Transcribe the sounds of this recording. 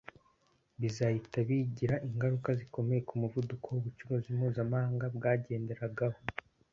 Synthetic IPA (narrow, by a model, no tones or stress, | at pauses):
βizahitaβiɟiɾaʔiŋɡaɾukaziko̞me̞je̞kumuvudukʰowoβut͡ʃuɾozimuːzamaːŋɡabɡaːɟe̞ːnde̞ɾaɡaho̞